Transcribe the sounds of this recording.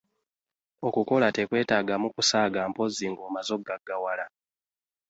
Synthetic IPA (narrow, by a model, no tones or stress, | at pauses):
o̞kuko̞latekwe̞ːtaːɡamukusaːɡaːmpo̞ziŋɡoːmazo̞ɡaɡːawala